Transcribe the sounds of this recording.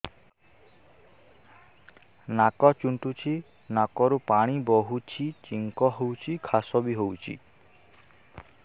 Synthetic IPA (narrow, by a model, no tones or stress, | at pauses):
nakɔt͡ʃuɳʈut͡ʃʰi | nakɔɾupaɽ̃ibɔɦut͡ʃʰit͡ʃiŋkɔɦowt͡ʃʰikʰasɔbiɦowt͡ʃʰḭ